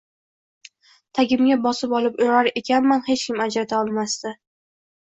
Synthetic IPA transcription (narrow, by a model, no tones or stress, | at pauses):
t̪ʰaɡʲɪmɡʲabɒsɪpɒlɪpoɾaɾe̞kʲanmanhe̞t͡ʃkʲʰɪmad͡ʒɾat̪ʰaɒlˠmast̪ɪ